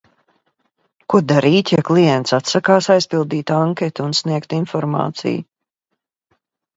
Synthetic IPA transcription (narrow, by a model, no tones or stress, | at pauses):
kud̪aɾiːt̪jaklˠijɛnt̪sat̪sakaːsajspilˠd̪iːt̪aŋkʲɛt̪unsniɛkt̪infɔɾmɑ̰ːt̪sḭj